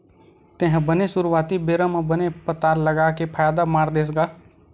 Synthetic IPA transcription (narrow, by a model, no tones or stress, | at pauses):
t̪ẽɦbənesʊɾuʋaːt̪ibeːɾəməbənepət̪aːɾləɡaːkepʰaːjaːd̪amaːɾd̪eːs̬ɡaː